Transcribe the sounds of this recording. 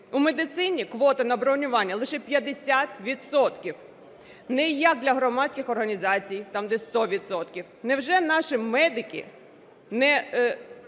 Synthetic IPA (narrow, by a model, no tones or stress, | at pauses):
umed̪ɪt̪sɪnʲikʋɔt̪ɐnɐbɾɔwnʲʊʋɑnʲːɐlˠɪʃɛpʲjɐd̪esʲat̪ʋʲid̪sɔt̪kʲiw | nɛjɐk̚d̪lʲɐɦɾɔmɑt͡sʲkʲɪxɔrɦɐnʲizɑt͡sʲijt̪ɑmd̪ɛst̪ɔʋʲid̪sɔt̪kʲiwnɛwʒɛnɑʃimɛd̪ɪkʲḭ | nɛ